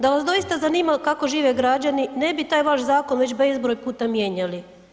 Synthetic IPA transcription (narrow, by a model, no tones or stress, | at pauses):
d̪aʋasd̪o̞ist̪azaniːmakako̞ʒiːʋeɡɾad͡ʑanine̞bit̪aːjʋaʃzaːko̞nʋe̞t͡ɕbe̞zbɾoːjpuːt̪amje̞ːɲali